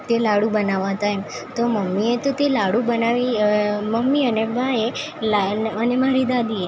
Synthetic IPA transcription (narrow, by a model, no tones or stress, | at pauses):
t̪elaɽubənaʋãɦət̪aem | t̪oməmːiet̪ot̪elaɽubənaʋiməmːiənebʱae | laənemaɾid̪ad̪ie